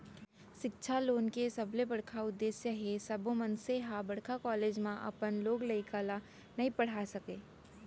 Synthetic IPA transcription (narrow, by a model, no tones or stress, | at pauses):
ʃɪkt͡ʃʰaloːnkesɐblebɐɽkʰaʊd̪ːeːsjəɦesɐbomənseɦabəɽkʰakɔːleːd͡ʒmãʔɐ̰pənloːɡləɪkəla | nɐipəɽ̤asəkeː